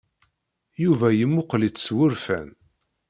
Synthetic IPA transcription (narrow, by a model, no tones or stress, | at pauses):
juvæjəmːʊqlit͡sːswʊɾfæ̰n